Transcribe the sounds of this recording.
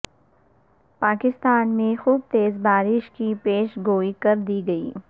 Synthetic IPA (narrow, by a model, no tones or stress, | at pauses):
paːkɪst̪aːnmẽxuːb̚t̪eːzbaːɾɪʃkipeːʃɡoːikɐɾd̪iɡɐḭː